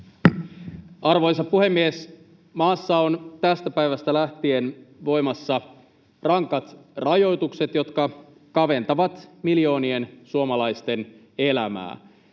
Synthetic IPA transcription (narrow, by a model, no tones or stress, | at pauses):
ɑrʋo̞jsɑppuhe̞mːies | mɑːsːɑont̪æst̪æpæjʋæst̪ælæht̪ienʋo̞jmɑsːɑ | rɑŋkɑt̪rɑjo̞jt̪ukse̞t̪jo̞t̪kɑ | kɑʋe̞nt̪ɑʋɑt̪miljo̞ːnie̞nsuomɑlɑjst̪e̞n | elæmæ̰ː